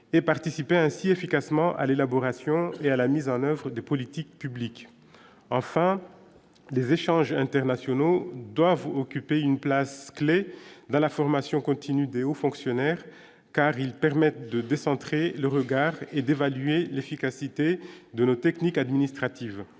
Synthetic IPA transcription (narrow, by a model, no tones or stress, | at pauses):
epaʁt̪isipeɛ̃siefikasmɑ̃ʔa̰lelabɔʁasjɔ̃ealamizɑ̃nœvʁəd̪epɔlit̪ik̚pyblik | ɑ̃fɛ̃ | lezeʃɑ̃ʒɛ̃t̪ɛʁnasjɔnod̪wavɔkʲypeynplaskled̪ɑ̃lafɔʁmasjɔ̃kɔ̃t̪ʰinyd̪eofɔ̃ksjɔnɛʁ | kaʁilpɛʁmɛt̪d̪əd̪esɑ̃t̪χeləʁəɡaʁed̪evalyelefikasit̪ed̪ənot̪ɛknikad̪minist̪χat̪iv